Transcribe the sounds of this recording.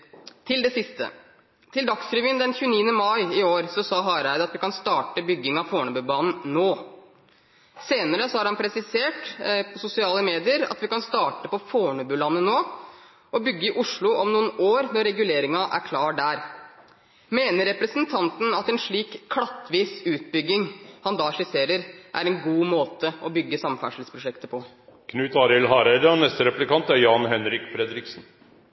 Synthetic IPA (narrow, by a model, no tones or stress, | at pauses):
t̪ʰɪld̪ɛsɪst̪ə̰ | t̪ʰɪld̪ɑksɾʏʋɪənd̪ɛnçʉːəniːənəmɑɪɪoːɾsɔsɑːɦɑɾæɪd̪əɑt̪ʋɪkɑnst̪ɑːʈəbʏɡːɪŋɑʋfoːɳœbʉbɑːnn̩noː | seːnəɾəsɔhɑɾhɑnpʰɾɛsɪseːʈpʰɔsʊsɪɑːləmeːd̪ɪəɾɑ̰t̪ʋɪkɑnst̪ɑːʈəpɔfoːɳʉbʉlɑnːənoː | ɔbʏɡːəɪʔʊʂɭʊʔɔmnuːənoːɾnɔɾːɛɡʉleːɾɪŋɑʔæ̰ɾkʰlɑːɖæːɾ | meːnəɾɾɛpɾəsnt̪ʰɑnt̪n̩ɑt̪ɛnʂɭiːkkʰːɽɑt̪ːʋiːsʉːt̪̚bʏɡːɪŋhɑnd̪ɑːʂɪseːɾəɾʔæ̰ɾɛnɡuːmoːt̪əɔbʏɡːəsɑmfæ̰ʂl̩spʰɾʊʂɛkt̪əpʰɔ | kʰnʉːt̪ɑːɾɪlɦɑːɾæɪd̪əɔnɛst̪əɾɛplɪkɑnt̪æɾjɑnɦɛnɾɪkfɾɛd̪ɾɪksn